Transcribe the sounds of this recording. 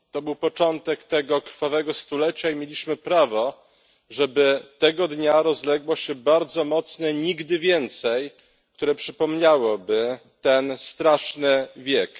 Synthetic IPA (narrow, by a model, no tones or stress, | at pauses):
t̪ɔbɘwpɔt͡ʂɔnt̪ɛkt̪ɛɡɔkɾfavɛɡɔst̪ulɛt͡ɕaimʲjelʲiɕmɘpɾavɔ | ʐɛbɘt̪ɛɡɔd̪ɲaɾɔzlɛɡwɔɕɛbaɾd̪zɔmɔt̪snɛɲiɡd̪ɘvʲjɛnt̪sɛj | kt̪uɾɛpʂɘpɔmɲawɔbɘt̪ɛnst̪ɾaʂnɘvʲjɛk